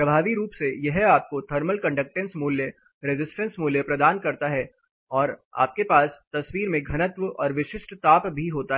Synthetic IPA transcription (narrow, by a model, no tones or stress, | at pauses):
pɾɐbʱaːʋiɾuːpsejɛɦaːp̚kot̪ʰɐɾməlkɐ̃ɳɖək̚ʈẽnsmuːljə | ɾɪd͡ʒɪsʈə̃nsmuːljəpɾɐd̪aːnkɐɾt̪aɦɛ | ɔːɾa̰ːp̚kepaːst̪ɐsʋiːɾmẽɡʱɐnət̪ʋəɔ̰ːɾʋɪʃɪʃʈt̪aːpbʱiɦoːt̪aɦ